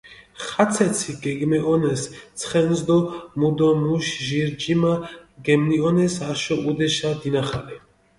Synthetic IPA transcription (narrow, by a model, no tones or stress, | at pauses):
χat̪sʰɛt̪sʰiɡɛɡmɛʔɔnɛst̪sʰχɛnzd̪ɔmud̪ɔmuʃʒiɾd͡ʒimaɡɛmniɔnɛsaʃɔʔud̪ɛʃad̪inaχalɛ